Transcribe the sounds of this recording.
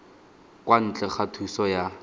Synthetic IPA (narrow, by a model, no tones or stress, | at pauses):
kʼwan̩t͡ɬʼɛχatʰusɔja